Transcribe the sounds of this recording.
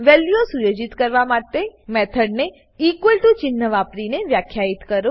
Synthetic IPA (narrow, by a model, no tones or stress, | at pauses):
ʋɛljosujod͡ʒit̪kəɾʋamat̪emɛt̪ʰəɖne | ikwelʈut͡ʃɪnːəʋapɾineʋjakʰjait̪kəɾo